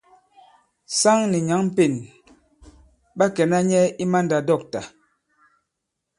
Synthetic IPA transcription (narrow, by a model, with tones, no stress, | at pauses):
sa˦ŋni˨ɲa˨˦ŋm̩˦pe˨n | ɓa˦kɛ˨na˦ɲɛ˦i˦ma˦nda˨dɔ˦˨k̚ta˨